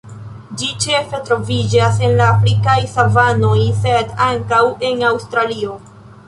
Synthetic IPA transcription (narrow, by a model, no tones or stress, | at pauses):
d͡ʒit͡ʃe̞fe̞tɾo̞vid͡ʒase̞nlaːfɾikajsavano̞jse̞daŋkawe̞nawst̪ɾalio̞